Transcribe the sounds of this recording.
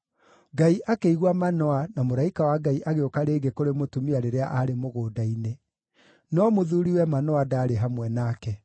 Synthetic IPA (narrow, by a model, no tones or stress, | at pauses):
ɡaiʔakeiɣwamanɔanamoɾaikawaɡaiʔaɣeokaɾeːɡekoɾemotumiaɾeɾeaʔaɾemoɣoːdaine | nɔmoðuɾiwɛmanɔadaːɾeɦamwɛnaːkɛ